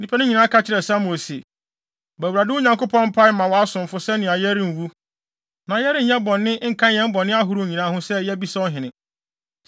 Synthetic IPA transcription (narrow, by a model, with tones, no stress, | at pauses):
nĩ˦pʰɛ˦nʊ̃˦ɲĩ˨nã˦kʰa˦t͡ɕʰɪ˨ɾɛ˨sa˦mõ˨sḛ˨ | bæ˨wu˨ɾa˨dɪ˦ʊ˦ɲã˨ŋkʊ˦pʰɔ̃˦nm̩˦pʰa˦mã˨wɔ˨a˦sʊ̃˨m̩˨fʊ˨sɛ˦nɪ̃˨a˨jɛ˦ɾɪ̃˦m̩˨wu˦ | nã˨jɛ˦ɾɪ̃˦ɲ˨ɲã˦bɔ̃˨nːɪ̃˦ŋ̩˦˨kʰã˦ɛ̃˦m˦bɔ̃˨nːɪ̃˦a˦ɦu˨ɾu˦˨ɲĩ˨nãː˨˦ɦʊ̃˦sɛ˦jɛ˦bi˦sa˦ɔ˦ɦɪ̃˨nɪ̃˨